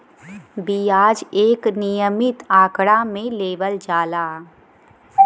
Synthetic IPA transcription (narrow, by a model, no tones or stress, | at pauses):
biaːd͡ʒeːknijəmɪt̪aːkɽamẽleːʋəld͡ʒaːlaː